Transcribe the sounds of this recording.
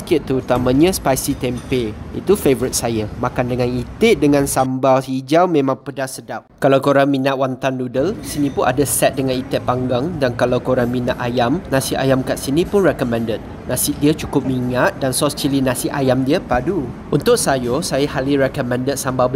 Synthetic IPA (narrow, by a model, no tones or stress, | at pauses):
ə̥kit̪̚t̪ːəɾut̪amãɲə̃spajsit̪ɛmpeḭt̪ufevəɾit̪̚sajəmakandəŋãnit̪ɪʔ̚dəŋãnsambaid͡ʒawmẽmãŋpədasədap̚kalawkoɾaŋminaʔwant̪anːudəlsinĩpʊnʔa̰dasɛt̪̚dəŋãnit̪ɛʔ̚paŋɡaŋdankalawkoɾaŋmĩnaʔ̪ajamnãsia̰jamkaʔsinĩpʊnrɛkəmɛ̃ndət̪̚ | nãsɪdiət͡ʃukʊp̚miŋat̪̚dansɔst͡ʃilinãsiʔajamdiəpaduʔunt̪ʊk̚sajosajahaliɾɛkəmɛ̃ndət̪̚sambab